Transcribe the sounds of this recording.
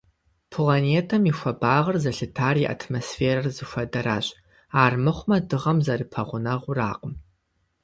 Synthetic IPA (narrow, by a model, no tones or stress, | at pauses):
pʰlaneːtʰɐmixʷɐbaːʁɐrzɐɬɨtʰaːriʔa̰tʰmosfeːɾɐrzɨxʷɐdɐɾa̰ːɕʼ | aːrmɨχʷmɐdɨʁɐmzɐrɨpʰɐʁʷʊnɐʁʷʊra̰ːqəm